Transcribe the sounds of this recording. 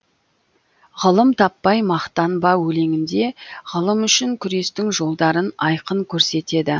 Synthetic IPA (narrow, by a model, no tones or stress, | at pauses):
ʁəlˠəmt̪ʰɑpːɑjmɑqt̪ɑnbɑwɵle̞ŋʲɪnd̪e̞ʁəlˠəmʏʃɪŋkʲʰʏɾe̞st̪ɪŋʒo̞lˠd̪ɑɾənɑjqəŋkʲʰɵɾse̞t̪e̞d̪ɪ